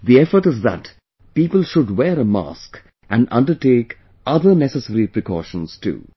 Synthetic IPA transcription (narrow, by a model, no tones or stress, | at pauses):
d̪iɛfəɾʈɪzðæ̰ʈ | piːpəlˠʃʊɖwɛːɾəma̰ːsk | ʔæ̃nɖʌ̰̃nɖəɾʈeːk | ʌd̪ənɛsəsəɾipɾɪkɔ̰ːʃə̃nz̥tṵ